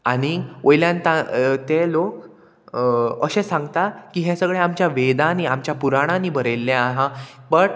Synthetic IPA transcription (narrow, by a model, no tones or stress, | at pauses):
aɽ̃iʔojljãnt̪at̪elok | ə̰ɕẽsãŋɡt̪akiːɦẽsəɡɭeamt͡ɕjaʋed̪aniamt͡ɕjapuɾaɽ̃ãniːbəɾelːẽaɦãbəʈ